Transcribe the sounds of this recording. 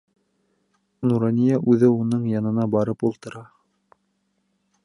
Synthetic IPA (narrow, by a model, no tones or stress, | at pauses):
nuɾɑnʲijæʔʉðɘunɤɴjɑnɤ̆nɑbɑɾɤpulˠt̪ɤ̆ɾɑ